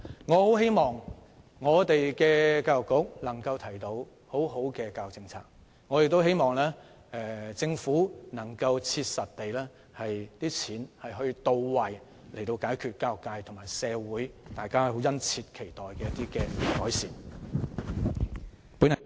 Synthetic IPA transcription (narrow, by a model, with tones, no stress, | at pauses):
ŋɔː˨˧ho˨˥whe˥jmɔː˨˩ŋ | ŋɔː˨˧t̪e˨jkɛː˧kaː˧jʊ˨kːʊ˨˥k̚nɐ˨˩ŋkɐ˧wt̪ʰɐ˨˩jt̪o˨˧w | ho˨˥wɦo˨˥wkɛː˧kaː˧jʊ˨k̚t͡sɪ˧ŋt͡sʰa̰ː˧˥k̚ | ŋɔː˨˧jɪ˨k̚t̪wɦe˥jmɔː˨˩ŋlɛː˥ | ɛ˧t͡sɪ˧ŋfuː˨˥nɐ˨˩ŋkɐ˧wt͡sʰiː˧t̚sɐ˨t̚t̪e˨jlɛː˥ | hɐ˨jt̪iː˥t͡sʰiː˨˥nhɐ˨jɦɵ˧ɥt̪o˧wwɐ˨j | le˨˩t̪o˧wkaː˨˥jkʰyː˨t̚kaː˧jʊ˨˩kːaː˧jt̪ʰʊ˨˩ŋmaː˨jsɛː˨˧wuː˨˥jt̪aː˨jkaː˥˧ho˨˥wjɐ˥nt͡sʰiː˧t̚kʰe˨˩jt̪ɔː˨˩jkɛː˧jɐ˥t̪iː˥kɛː˧kɔː˨˥jsḭː˨˩n | puː˨˥n˨